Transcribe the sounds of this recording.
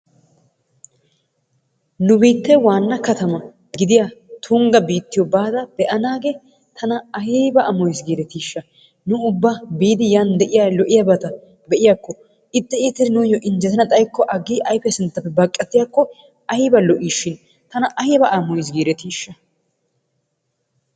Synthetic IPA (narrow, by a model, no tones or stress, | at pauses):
nʊbiːt̪ːɛwaːnːɐkɐt̪ɐmɐ | ɡɪd̪ɪjat̪ʰʊŋɡɐbiːt̪ːɪjɔbaːd̪ɐb̥ɛʔɐnaːɡe | t̪ʰɐnɐɐhiːbɐʔɐmɔjsɡiːɾɛt̪iːʃːɐ | nʊʊbːɐbiːd̪ɪjand̪ɛʔɪjalɔʔɪjabɐt̪ɐ | bɛʔɪjakːɔ | ʔɪt̪ʼːɛiːt̪ːɛɪnʊjɔʔɪnd͡ʒɛt̪ɐnɐt̪ʼɐjkːɔʔɐɡiːʔɐjfɛsɪnt̪ːɐpːɛbɐkʼːɐt̪ːɪjakːɔ | ʔɐjɪbɐlɔʔiːʃːɪn | t̪ɐnɐʔɐjɪbɐʔɐmɔjs̬ɡiːɾɛt̪iːʃːɐ